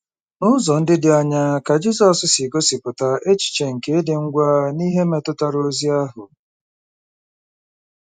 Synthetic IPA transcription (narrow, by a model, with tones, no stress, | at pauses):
nʊ˦zɔ˨n̩˦dɪ˦dɪ˨a˨ɲa˦ka˨d͡ʒi˦zɔ˦sɪ˦sɪ˨ɡo˦sɪ˨pʊ˨ta˨e˦t͡ʃi̥˨t͡ʃe˨ŋ̩˨ke˨e˦dɪ˨ŋ̩˦ɡʷa˦ni˦ɦe˦me˨tʊ˦ta˨ɾo˦zi˦a˦ɦʊ˨